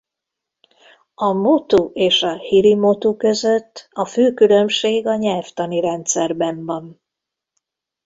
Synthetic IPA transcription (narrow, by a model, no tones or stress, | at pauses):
ɒmut̪uʔeːʃɒhiɾimot̪ukø̞zø̞t̪ʰːɒføːkylø̞mʃeːɡɒɲɛlft̪ɒniɾɛnt̪sɛrbɛmvɒn